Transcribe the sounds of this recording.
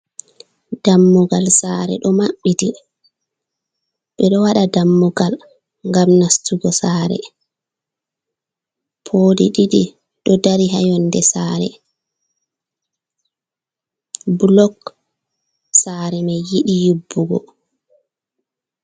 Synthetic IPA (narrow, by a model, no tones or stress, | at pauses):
d̥amːuɡalsaːɾɛ̰ɗɔmaɓːiti | ɓɛɗɔwaɗadamːuɡal | ŋɡamnastuɡɔsaːɾɛ̰ | pʰoːdiɗiɗi | ɗɔdaɾiɦajɔndɛsaːɾɛ̰ | bulɔk | saɾɛmajːiɗijubːuɡɔ̰